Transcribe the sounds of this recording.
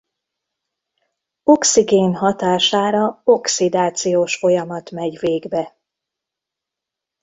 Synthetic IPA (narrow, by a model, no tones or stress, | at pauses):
o̞ksiɡeːnɦɒt̪aːʃaːɾɒoksid̪aːt̪sijoːʃfo̞jɒmɒt̪mɛɟveːɡbɛ